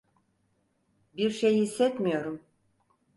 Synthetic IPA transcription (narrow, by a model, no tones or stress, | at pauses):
biɾʃejisːɛt̪mijo̞ɾum